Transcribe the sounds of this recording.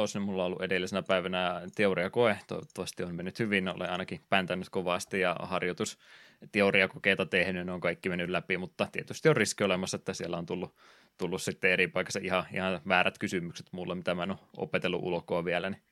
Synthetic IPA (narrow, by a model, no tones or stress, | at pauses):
oˑsnymulːɑolːṵʔedelːisenæpæˑiʋænæɑt̪eoriɑkoet̪o̰iʋot̪ːɑʋɑst̪ionmenːyt̪hyʋinno̰lḛɑ̰ˑinɑkipænt̪ænyt̪koʋɑˑst̪ijɑ̰hɑrjot̪us | t̪euriɑkokeit̪ɑt̪ehnyjɑneoŋkɑikːimenːyllæpimut̪ːɑt̪iet̪yst̪iorriskiolemɑsːɑet̪ːæsielːæont̪ulːu | t̪ulːussit̪ːeeɾipɑikɑsɑʔihɑḭhɑʋæːɾæt̪kysymykse̥t̪mulːemit̪æmæenoʔo̰pet̪elːṵʔṵlkoɑʋielæni